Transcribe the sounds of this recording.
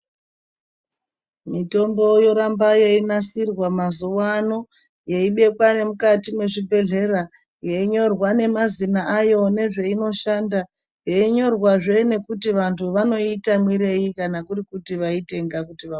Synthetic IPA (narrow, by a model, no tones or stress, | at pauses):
mito̞mbo̞jo̞ɾambajeinasirwamazuwano̞ | je̞iɓe̞kwane̞mukatimwe̞ʐibʱe̞ɮe̞ra | jeiɲo̞rwane̞mazinaʔajo̞ne̞ʐe̞ino̞ʃanda | je̞iɲo̞rwaʐe̞ne̞kutiʋantʰuʋano̞itamwiɾe̞jikanakurikutiʋaite̞ŋɡakutiʋa